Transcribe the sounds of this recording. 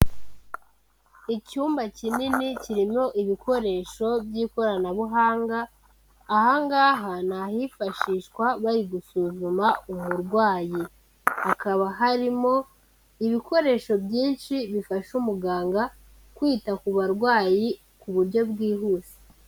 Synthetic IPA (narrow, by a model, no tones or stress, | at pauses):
icuːmbacininiciɾimo̞ʔiβikʰo̞ɾe̞ʃo̞bjiːko̞ɾanaβuɦaːŋɡaː | haŋɡaːɦanahifaʃiːʃkwaβaɾiɡusuzumaumuɾɡwaːji | akaβaɦaɾimo̞ | iβiko̞ɾe̞ːʃo̞bjiːnʃiβifaʃumuɡaːŋɡa | kwiːtakuβaɾɡwaːji | kuβuɾɟo̞bɡiːɦuːze̥